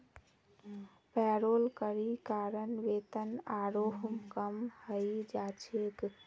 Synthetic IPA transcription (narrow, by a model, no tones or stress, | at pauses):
pɛɾolkəɾikaɾənʋet̪ənaɾoɦmkəmhəjd͡ʒat͡ʃʰek